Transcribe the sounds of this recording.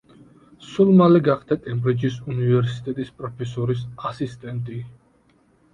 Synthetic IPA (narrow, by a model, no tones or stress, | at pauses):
sulmalɛɡaχd̪akʼɛmbɾid͡ʒisunivɛɾsit̪ʼɛt̪ʼispʼɾɔpʰɛsɔɾisasist̪ʼɛnt̪ʼi